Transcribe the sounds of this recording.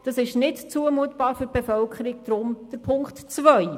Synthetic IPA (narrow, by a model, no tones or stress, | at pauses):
d̥ɑsɪʃnɪtt͡suəmuətb̥ɑːɾfyɾb̥efœlkχəɾɪɡ̚d̥ɾʊmd̥əɾpʰʊŋktt͡svœj